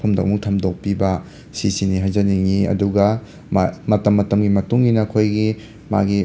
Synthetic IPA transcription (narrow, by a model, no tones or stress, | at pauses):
pʰumdɐ̰ʔmuŋtʰɐmdok̚pibɐ | sisiniɦajzɐniŋiɐ̰duɡɐ | mamɐtɐmːɐtɐmɡimɐtuŋːinɐɐkʰojɡi | ma̰ɡi